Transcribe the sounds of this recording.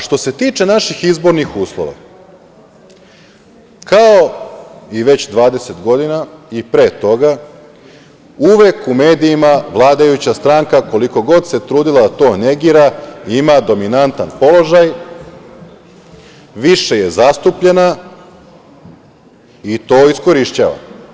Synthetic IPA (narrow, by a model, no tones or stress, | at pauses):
ʃt̪o̞se̞t̪iːt͡ʃe̞naʃixizbo̞ɾnixuːslˠo̰ʋa̰ | kao̞ | iʋe̞t͡ɕd̪ʋaːd̪e̞se̞t̪ɡo̞d̪inaipɾe̞ːt̪o̞ɡa | uʋe̞kume̞ːd̪iimaʋlˠaːd̪ajut͡ɕast̪ɾaŋkako̞liko̞ɡo̞d̪se̞t̪ɾuːd̪ilad̪at̪o̞ːne̞ɡiːɾaiimad̪o̞minant̪anpo̞lo̞ʒaj | ʋiʃe̞je̞zast̪upʎe̞na | it̪o̞ːisko̞ɾiʃt͡ɕa̰ːʋa̰